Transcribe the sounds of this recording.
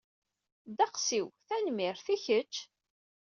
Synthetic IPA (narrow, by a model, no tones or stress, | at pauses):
d̪æqsiwθænmiɾθiçət͡ʃː